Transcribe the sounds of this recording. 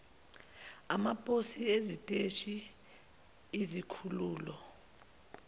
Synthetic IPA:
amapʼosiezitʼeʃi | izikʰuluːlɔ

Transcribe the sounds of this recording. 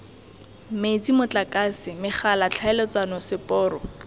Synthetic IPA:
met͡simʊt͡ɬakʼasɪmɪχalat͡ɬʰaɛlɔt͡sanɔsɪpʼɔːrɔ

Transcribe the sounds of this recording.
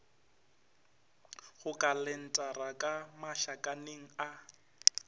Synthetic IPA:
ɣʊkʼalɛn̩tʼarakʼamaʃakʼaneŋ̩a

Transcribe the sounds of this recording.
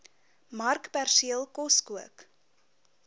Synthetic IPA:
mɐrkpærsiəlˠkɔskuək

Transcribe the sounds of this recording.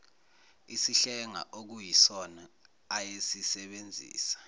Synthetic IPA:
isiɬɛŋa̰ʔok̬ujisɔnaː | jesisɛɓend͡zʱḭːsḁ

